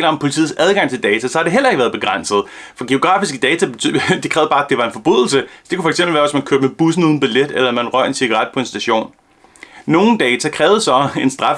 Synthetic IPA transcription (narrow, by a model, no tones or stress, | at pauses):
lɐɒ̽mpʰo̝lit͡sʰḭːð̩ˠsæð̞ˠɡ̥ɑ̈ŋ̰t͡sʰe̝ld̥ɛːt͡sʰæsɒ̽hɑ̈ɾ̥e̝ɦel̰ɐeɡ̥ʋæːɐðˠb̥e̝ɡ̥ʁɑn̰səð̞̩ˠ | fɒ̽ɡ̥e̝o̝ɡ̥ʁɑ̰̈ːfisɡ̥əd̥ɛːt͡sʰæd̥e̝kʰʁɛːʊð̩ˠb̥ɑ̈ːæd̥e̝ʋɑ̈e̝nfɒ̽b̥ʁyð̰ˠl̩səsd̥e̝kʰufɒeɡ̥semb̥l̩ʋæːɐʋɪsmænkʰøːɐb̥meb̥us̬n̩uðˠn̩b̥iled̥elɐmænʁɶɐ̰e̝nsiɡ̥ɑʁɑ̈d̥̚pʰɒ̽e̝nsd̥æɕo̝̰ːnː | o̝ːn̩d̥ɛːt͡sʰækʰʁɛːʊð̩ˠsɒ̽e̝nsd̥ʁɑ̈f